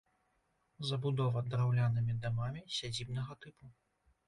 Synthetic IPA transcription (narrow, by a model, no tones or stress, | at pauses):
zɐbud̪ɔvɐd̪ɾawlʲanɨmʲid̪amamʲisʲad͡zʲibn̪ɐɣɐt̪ɨpu